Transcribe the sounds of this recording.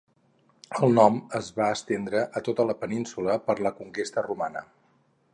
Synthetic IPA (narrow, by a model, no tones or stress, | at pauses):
əlˠnɔməzβaəst̪end̪ɾəʔət̪ot̪ələpəninsuləpəɾləkuŋkest̪ərumanə̰